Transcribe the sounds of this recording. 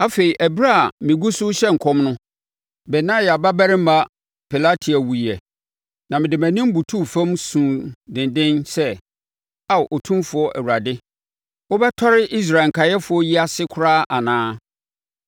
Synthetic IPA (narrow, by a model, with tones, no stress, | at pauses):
a˦fe˨i˨ʔæ˨bɾa˦a˨mɪ̃˨ɡu˦sʊ˦ɕɛ˦ŋ̩˨kʰɔ̃˦mnʊ̃˦ | bɛ˨nã˦ja˨ba˦bæ˦ɾɪ̃˦m̩˦ba˦ | pʰɛ˨la˦tʰi˨æ˨wu˨i˨ɛ˨ | nã˨mɪ̃˨dɪ˨mæ̃˨nɪ̃˦m˦bu˨tʰu˦˨fã˦msũ˨dɪ̃˨ndɪ̃˦nsɛ˦ | a˨ʔɔ˨tʰũ˦mfʊ˨ɔ˦ʔæ̰˨wu˨ɾa˨dɪ˦ | wɔ˦bɛ˦tʰɔ˦ɾɪ˦ʔi˦s̬ɾa˨ŋ̩˨kʰa˨jɛ˦fʊ˨˦ɔ˦ji˦a˦sɪ˦kʰʊ˦ɾaː˦ʔa˨nãː˦